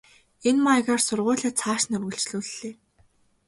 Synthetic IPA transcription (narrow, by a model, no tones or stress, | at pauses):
enmaɣaːrsʊrʁʊːɮaːt͡sʰaːʃnɵrɣɵ̆ɬt͡ɕɮuːɮːeː